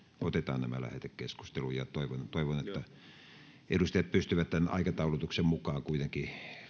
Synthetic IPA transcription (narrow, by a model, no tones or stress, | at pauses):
ot̪et̪ɑ̰ːnnæmæ̰læ̰hḛt̪ekkesku̥st̪elujɑt̪oˑiʋont̪oiʋonet̪ːæ | edust̪ɑjɑt̪̚pyst̪yʋæt̪t̪ænɑ̰ikɑt̪ɑulut̪uksemmukˑɑːŋkuit̪eŋki